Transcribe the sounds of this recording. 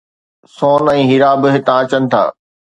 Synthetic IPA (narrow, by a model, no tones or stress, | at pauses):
soːnɛ̃ːɦɪɾaːbɪɦɪt̪ãɐt͡ɕənɪ̆t̪ʰa̰ː